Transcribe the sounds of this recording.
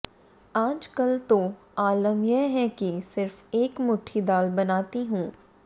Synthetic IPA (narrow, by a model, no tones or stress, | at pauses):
aːd͡ʒkɐlt̪o | aːləmjɛɦɛkisɪɾfeːkmʊʈʰid̪aːlbɐnaːt̪iɦũː